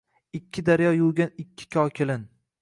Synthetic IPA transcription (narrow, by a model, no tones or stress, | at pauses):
ɪkʲʰːɪd̪aɾjɒjʊwɡʲanɪkʲʰːɪ̥kʲʰɒkʲʰelɪn